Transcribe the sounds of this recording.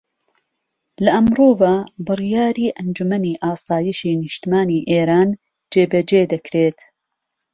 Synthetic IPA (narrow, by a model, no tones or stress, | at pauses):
lɐʔɐmroːvabɨrijaːɾiːʔɐnd͡ʒumɐniːʔaːsaːjiʃiːnɪʃt̪imaːniːʔeːɾaːn | d͡ʒeːbɐd͡ʒeːd̪ɐkʰɾeːt̪